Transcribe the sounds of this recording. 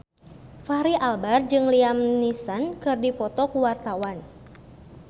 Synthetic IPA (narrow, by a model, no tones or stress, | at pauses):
faɾiʔalbard͡ʒɨŋliamnisankɨrdipɔt̪ɔkuwart̪awan